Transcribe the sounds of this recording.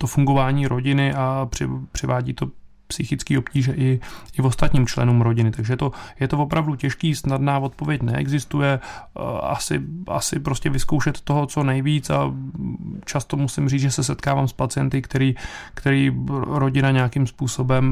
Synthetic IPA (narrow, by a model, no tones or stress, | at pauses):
t̪o̞fuŋɡo̞vaːɲiːɾo̞ɟɪnɪʔapr̥ɪpr̥ɪvaːɟḭːt̪o̞ | psɪxɪt͡skiːo̞pciːʒɛʔɪɪvo̞st̪at̪ɲiːmt͡ʃlɛ̰nuːmɾo̞ɟɪnɪt̪aɡʒɛɛt̪o̞jɛt̪ovo̞pɾʔavducɛʃkiːsnadnaːvo̞t̪po̞vjɛcnɛ̰ʔɛ̰ɡzɪst̪ujɛ | a̰sɪ̰ʔa̰sɪpɾoscɛvɪsko̞wʃɛt̪ːo̞ɦo̞t͡so̞nɛjviːt͡sa̰ | t͡ʃast̪o̞musɪmriːt͡sʒɛsɛsɛt̪kaːvaːmspat͡sɪjɛnt̪ɪkt̪ɛɾiːkt̪ɛɾiːɾo̞ɟɪnaɲɛjakimspuːso̞bɛm